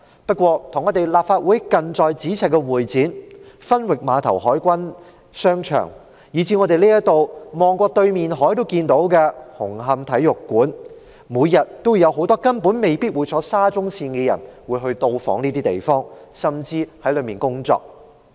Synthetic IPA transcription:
pɐ˥t̚kʷɔː˧t̪ʰʊ˨˩ŋːɔː˨˧t̪e˨jlaː˨p̚faː˧t̚wuː˨˥jkɐ˨˧nt͡sɔː˨˧jt͡siː˨˥t͡sʰɛ˨t̚kːɛ˧wuː˨˩jt͡siː˨˥nfɐ˥nwɪ˨k̚maː˨˧t̪ʰɐ˨˩wɦɔː˨˥jkʷɐ˥n | sœː˥ŋt͡ʃʰœ̰ː˨˩ŋ | jiː˨˧t͡siː˧˥ŋɔː˨˧t̪e˨jliː˥jɐ˥tt̪o˨˧wmɔː˨ŋkʷɔː˧t̪ɵ˧ɥmiː˨nɦɔː˨˥jt̪o˥wkiː˧nt̪o˨˥wkɛː˧hʊ˨˩ŋɦɐ˧mt̪ʰɐ˨˥jːʊ˨kːuː˨˥n | muː˨˧jɐ˨t̚t̪o˥wjɐ˨˧wɦo˨˥wt̪ɔː˥kɐ˥npu˨˥nme˨jpiː˥t̚wuː˨˧jt͡sʰɔː˨˥saː˥t͡sʊ˥ŋsiː˧nkɛ˧jɐ̰˨˩nwuː˨˧jɦɵ˧ɥt̪o˧wfɔ̰ː˨˥ŋniː˥t̪iː˥t̪e˨jfɔː˥ŋ | sɐ˨mt͡siː˧hɐ˨˥jlɵ˨˧ɥmiː˨˩nkʊ˥ŋt͡sɔ̰ː˧k̚

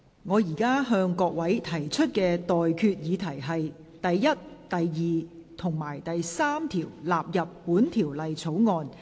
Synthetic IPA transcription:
ŋɔː˨˧jiː˨˩kaː˥ɦœː˧ŋkɔː˧k̚wɐ˨˥jt̪ʰɐ˨˩jt͡ʃʰɵ˥t̚kɛː˧t̪ɔː˨jkʰyː˧t̚jiː˨˧t̪ʰɐ˨˩jɦɐ˨j | t̪ɐ˨jːɐ˥t̚t̪ɐ˨jjiː˨t̪ʰʊ˨˩ŋmaː˨˩jt̪ɐ˨jsaː˥mt̪ʰiː˨˩wlaː˨p̚jɐ˨pːuː˨˥nt̪ʰiː˨˩wlɐ˨jt͡sʰo˨˥wŋɔː˧n

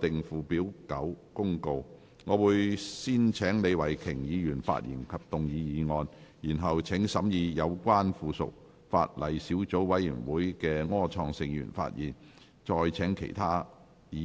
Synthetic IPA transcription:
t̪ɪ˨ŋfuː˨piː˨˥wkɐ˨˥wkʊ˥ŋko˧w | ŋɔː˨˧wuː˨˧jsiː˥nt͡sʰɛː˨˥ŋne˨˧jwɐ˨˩jkʰɪ˨˩ŋjiː˨˧jyː˨˩nfa̰ː˧˨t̚jḭː˨˩nkʰɐ˨p̚t̪ʊ˨ŋjiː˨˧jiː˨˧ŋɔː˧njiː˨˩nɦɐ˨wt͡sʰɪ˨˥ŋsɐ˨˥mjiː˧jɐ˨˧wkʷaː˥nfuː˨˧sʊ̰˨k̚ | fa̰ː˧t̚lɐ˨jsiː˨˥wt͡so˨˥wwɐ˨˥jjy̰ː˨˩nwuː˨˥jkɛː˧ŋɔː˥t͡ʃʰɔː˧ŋsɪ˧ŋjy̰ː˨˩nfa̰ː˧t̚jiː˨˩n | t͡ʃɔː˧jt͡sʰɛː˨˥ŋkʰḛ˨˩jt̪ʰaː˥ | jiː˨˧

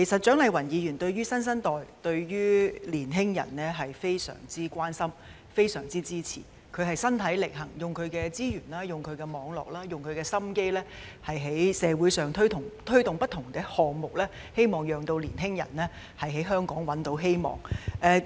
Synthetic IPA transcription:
kʰe˨˩jsɐ˨t̚t͡ʃœː˨˥ŋlɐ˨jwɐ˨˩njiː˨˧jyː˨˩nt̪ɵ˧ɥɥyː˥sɐ˥nsɐ˥nt̪ɔː˨jt̪ɵ˧ɥɥyː˥liː˨˩nɦɪ˥ŋjɐ̰˨˩nlɛː˥ɦɐ˨jfe˥jsœ̰ː˨˩ŋt͡siː˥kʷaː˥nsɐ˥m | fe˥jsœː˨˩ŋt͡siː˥t͡siː˥t͡sʰḭː˨˩ | kʰɵ˨˧ɥhɐ˨˩jsɐ˥nt̪ʰɐ˨˥jlɪ˨k̚hɐ˨˩ŋjʊ˨˩ŋkʰɵ˨˧ɥkɛː˧t͡siː˥jyː˨˩nlaː˥jʊ˨ŋkʰɵ˨˧ɥkɛː˧mɔː˨˧ŋlɔ̰ː˨k̚laː˥jʊ˨ŋkʰɵ˨˧ɥkɛː˧sɐ˥mke˥jlɛː˥ | hɐ˨jɦe˨˥jsɛː˨˧wuː˨˥jsœː˨˩ŋt̪ʰɵ˥ɥt̪ʰʊ˨˩ŋt̪ʰɵ˥ɥt̪ʊ˨ŋpɐ˥t̪̚ʰʊ˨˩ŋkɛ˧hɔː˨ŋmʊ˨k̚lɛː˥ | he˥jmɔː˨ŋjœː˨ŋt̪o˧wliː˨˩nɦɪ˥ŋjɐ̰˨˩nlɛː˥ | hɐ˨jɦe˨˥ɦœː˥ŋkɔː˨˥ŋwɐ˨˥nt̪o˨˥wɦe˥jmɔ̰ː˨˩ŋʔɛː˨˧

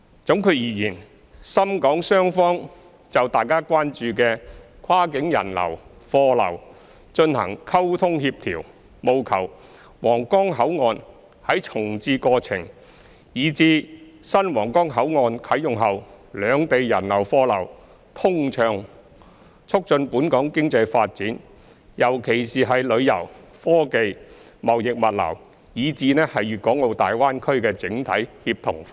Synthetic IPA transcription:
t͡sʊ˨˥ŋkʰɵ˨˧ɥjiː˨˩jiː˨˩n | sɐ˥mkɔː˨˥ŋsœː˥ŋfɔː˥ŋ | t͡sɐ˨wt̪aː˨jkaː˥kʷaː˥nt͡ʃyː˨˧kɛː˧kʰaː˥kɪ˨˥ŋjɐ̰˨˩nlɐ̰˨˩w | fɔː˧lɐ̰˨˩w | t͡ʃɵ˧nhɐ̰˨˩ŋkʰɐ˥wt̪ʰʊ˥ŋhiː˧p̚t̪ʰiː˨˩w | mo˨˧wkʰɐ˨˩w | wɔː˨˩ŋkɔː˥ŋɦɐ˨˥wŋɔː˨˧n | hɐ˨˥jt͡sʰʊ˨˩ŋt͡siː˧kɔː˧t͡sʰɪ̰˨˩ŋ | jiː˨˧t͡siː˧sɐ˥nwɔː˨˩ŋkɔː˥ŋɦɐ˨˥wŋɔː˨˧nkʰɐ˨˥jʊ˨ŋɦɐ˨wlœː˨˧ŋt̪e˨jːɐ˨˩nlɐ˨˩wfɔː˧lɐ̰˨˩w | t̪ʰʊ˥ŋt͡ʃʰœː˨˧ŋ | t͡sʰʊ˥k̚t͡ʃɵ˧npuː˨˥nkɔː˨˥ŋkɪ˥ŋt͡sɐ˧jfaː˧t̚t͡siː˨˥n | jɐ˨˩wkʰe˨˩jsiː˨ɦɐ˨jlɵ˨˧ɥjɐ̰˨˩wfɔː˥ke˨j | mɐ˨wjɪ˨k̚mɐ˨t̚lɐ̰˨˩w | jiː˨˧t͡siː˧nɛː˥hɐ˨jːyː˨t̚kɔː˨˥ŋlo˨˧wt̪aː˨jwaː˥nkʰɵ˥ɥkɛː˧t͡sɪ˨˥ŋt̪ʰɐ˨˥jhiː˧p̚t̪ʰʊ˨˩ŋf

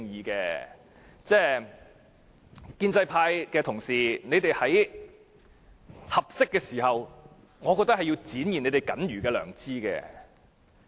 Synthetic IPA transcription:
ŋjiː˨˧kɛː˧ | t͡sɛː˥˧ | kiː˧nt͡sɐ˧jpʰaː˧jkɛː˧t̪ʰʊ˨˩ŋsiː˨˩ne˨˧jt̪e˨jhɐ˨˥j | hɐ˨p̚sɪ˥kːɛː˧siː˨˩hɐ˨w | ŋɔː˨˧kɔː˧t̪̚hɐ˨ji˧wt͡siː˨˥njiː˨˩ne˨˧t̪e˨jkɐ̰˨˥nɥyː˨˩kɛː˧lœ̰ː˨˩ŋt͡siː˥˧kɛ̰ː˧

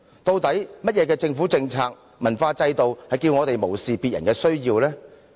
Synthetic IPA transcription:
t̪o˧wt̪ɐ˨˥jmɐ˥t̚jɛː˨˧kɛː˧t͡sɪ˧ŋfu˨˥t͡sɪ˧ŋt͡sʰaː˧k̚ | mɐ˨˩nfaː˧t͡sɐ˧jt̪o˨whɐ˨jkiː˧wŋɔː˨˧t̪e˨jmo˨˩wsiː˨pi˨t̚jɐ̰˨˩nkɛː˧sɵ˥ɥjiː˧wlɛː˥

